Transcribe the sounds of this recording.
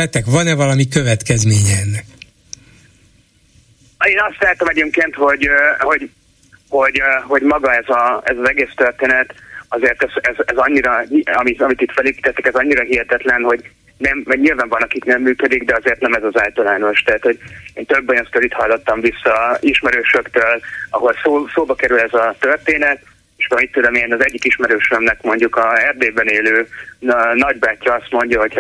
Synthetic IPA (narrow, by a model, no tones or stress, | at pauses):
ɛt̪ːɛkvɒnɛvɒlɒmikøvɛt̪kɛzmeːɲɛɛnːɛk | eːnɒst̪laːt̪ɒmɛɟeːmkeːnt̪ho̞ɟho̞ɟ | ho̞ɟho̞ɟmɒɡɒɛzɒɛzɒzɛɡeːst̪ørt̪eːnɛt̪ɒzeːrt̪ɛzɛzɛzɒɲːiɾɒɲɒmit̪ɒmit̪it̪fɛleːpi̥ːt̪ɛt̪ːɛkɛzɒɲːiɾɒɦiɦɛt̪ɛt̪lɛnho̞ɟ | nɛmvɒɟɲilvaːɱvɒnɒkiknɛmːyːkød̪iɡd̪ɛɒzeːrt̪nɛmɛzɒzaːlt̪ɒlaːno̞ʃt̪ɛɦːt̪ho̞ɟeːnt̪øbːɔjost̪olit̪hɒlːo̞t̪ːɒɱvisːɒiʃmɛɾøːʃøkt̪øːlɒɦo̞lsoːsoːbɒkɛɾylɛzɒt̪ørt̪eːnɛt̪ | eʃɒmit̪ːud̪omenɒzɛɟːikiʃmɛɾøːʃømnɛkmo̞ɲɟukɒɛrd̪eːbɛneːløː | nɒɟbaːcːɒɒst̪mo̞ɲɟɒɦo̞c